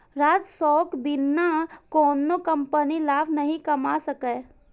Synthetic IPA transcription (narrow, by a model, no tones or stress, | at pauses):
ɾaːd͡ʒsɔːkbɪnːakoːnːokɐ̃mpənilaːbʱnɐɦĩkɐmasəke